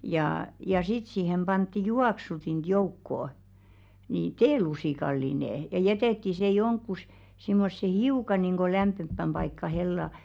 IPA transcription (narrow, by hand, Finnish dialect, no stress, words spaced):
jɑ sit siˑhem b̥ɑntːi juɑksutint joukːoˑ ni teːlusiˑkɑlːineˑ jɑ jɛteˑtːi se joŋkːus simːosːe hiukɑ niˑŋɡ̊o læmpːempːæm b̥ɑikːɑ helːɑ